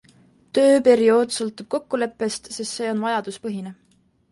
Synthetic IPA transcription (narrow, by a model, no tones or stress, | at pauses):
t̪ø̞ːpe̞ɾio̞ːd̪sɤlt̪ːˑub̥̚ko̞kːule̞pːe̞st̪sest̪se̞ːo̞nvɑjɑd̪̥uspɤɦine